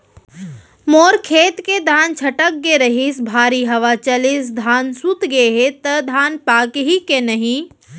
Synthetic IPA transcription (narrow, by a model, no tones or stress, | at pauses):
moːɾkʰeːt̪ked̪ʱaːnt͡ʃʰɐʈək̚ɡeɾəɦisbʱaːɾiɦɐʋat͡ʃɐlɪs̬d̪ʱaːnsut̪ɡeɦet̪əd̪ʱaːnpaːkɦikenɐɦĩ